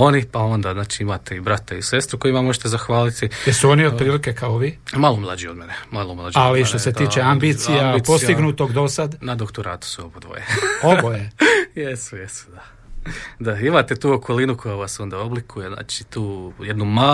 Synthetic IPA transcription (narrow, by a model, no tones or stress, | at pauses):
o̞nipao̞nd̪aznaːt͡ʃiimat̪eibɾat̪aise̞st̪ɾuko̞jimamo̞ʒet̪ezaxʋaːlit̪ijesuo̞niopɾiːlike̞kaoʋiːmalomlˠad͡ʒiod̪menemalomlˠad͡ʒaliʃt̪oset̪iːt͡ʃeambiːt̪sijjaipo̞st̪iɡnut̪o̞ɡd̪o̞sad̪nad̪o̞kt̪oɾa̰ːt̪u̥suobod̪ʋo̰jḛobojjejesujesu̥d̪a | d̪aimat̪et̪uːokʰolinukʰo̞jaʋaso̞nd̪aoblikʰujezna̰ːt͡ʃit̪uːjed̪numa